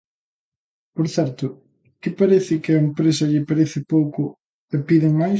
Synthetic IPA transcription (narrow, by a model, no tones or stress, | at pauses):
poɾθɛɾt̪ʊ | kɪpaɾeθɪkɪɐempɾesɐʎɪpaɾeθɪpowkʊ | epiðɪŋmaj